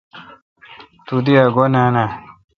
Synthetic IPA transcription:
t̪ud̪iaɡonanã

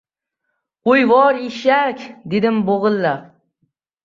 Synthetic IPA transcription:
ojvɒɾeʃakʲd̪ed̪ɪmboʁɨlːa

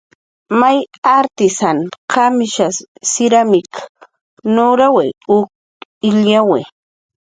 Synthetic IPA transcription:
majaɾt̪ɪsanqamɪʃasɪɾamɪk | noɾaweʊk̚ | ɪljawe

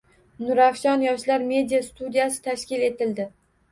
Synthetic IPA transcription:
nʊɾafʃɒnjɒʃlaɾme̞d̪ijast̪ud̪ijasɪ̥t̪ʰaʃkʲɪle̞t̪ɪld̪ɪ

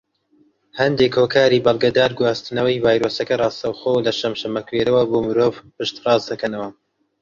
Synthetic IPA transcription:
hɐnd̪ekhoːkʰaːɾiːbɐlˠɡɐd̪aːɾɡwaːst̪ɨnɐwɐjvaːjɾoːsɐkɐrɑːst̪ɐwxoːwlɐʃɐmʃɐmɐkweɾɐwɐboːmɨɾoːvpɨʃt̪rɑːzd̪ɐkʰɐnɐwɐ

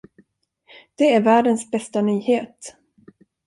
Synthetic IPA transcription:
d̪̥ɛæɾvæːɖənsbɛst̪anyːheːt̪

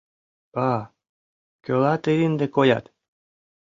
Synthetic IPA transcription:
ɑ | kølɑt̪eɾind̪ekojɑ̰t̪

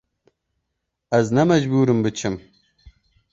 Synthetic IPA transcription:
ɐznɐmɐʑbuːɾɨmbɨt͡ʃʰɨm

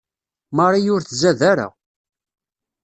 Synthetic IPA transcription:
mɑɾˤijʊɾθzæðæɾa̰

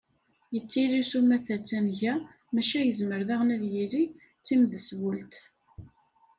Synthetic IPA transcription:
jət͡sːiɾisumæθæt͡sːænʝæ | mæʃæjəzməɾðaʁnæðjiɾi | t͡sːimðəswəlt̪

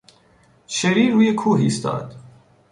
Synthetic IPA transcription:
ʃeɾiːɾuːjekʰuːɦḭːst̪ɒ̰ːd̪̥

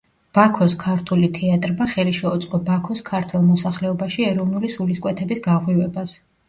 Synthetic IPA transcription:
b̥akʰɔskʰaɾt̪ʰulit̪ʰɛat̪ʼɾmaχɛliʃɛut̪sʼqʼɔbakʰɔskʰaɾt̪ʰwɛlˠmɔsaχlɛɔbaʃiɛɾɔvnulisuliskʼwɛt̪ʰɛbisɡaʁwivɛbas

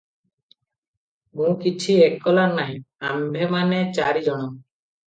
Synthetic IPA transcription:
mũkit͡ʃʰiekʰːɔlaɾnaɦĩa̰mbʱemanet͡ʃaɾid͡ʒɔɽ̃ɔm

